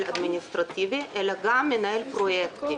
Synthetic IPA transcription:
lʲɐd̪ʲmʲɪnʲɪst̪ɾɐt̪ʲiːʋʲeʔɛlʲɛɡɑːmʲɪnɛɪlʲpɾojɛkt̪ʲɪ

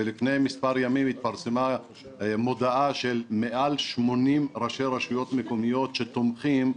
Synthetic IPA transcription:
elifne̞jmispaɾjamimit̪̚paʁsema | mo̞d̪aaʃe̞lmeʔalʃmo̞nimʁaʃeʁaʃujo̞t̪meko̞mijo̞t̪ʃe̞t̪omχim

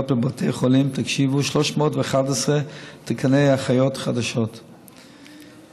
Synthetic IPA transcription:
ot̚bebatʰejχolimt̪akʃivuʃloʃmoːtveχatɛsʁet̪ekʰanejaχajotχad̪aʃot

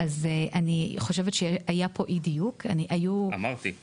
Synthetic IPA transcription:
ʔazeʔaniχo̞ʃevetʃeajapʰo̞ʔid̪ijukaniʔajuamaʁt̪i

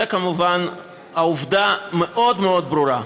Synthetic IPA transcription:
akamuvan | auvd̪ameʔod̪meo̞d̪̚bɾuɾa

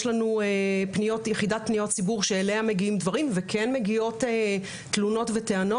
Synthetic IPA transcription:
ʃlanuepnijo̞tjeχidat̚pnijo̞t̚t͡sibuʁʃeːleame̞ɡiimdvaʁimvekʰenme̞ɡio̞te | t̪luno̞tveteano

